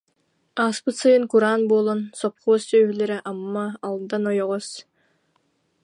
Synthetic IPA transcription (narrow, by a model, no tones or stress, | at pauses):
ɑːspɯt̪sɯjɯŋkuɾɑːnboːlˠonsop̚qoːsøːβylʲeɾɛʔɑmːɑːlˠd̪anojoʁos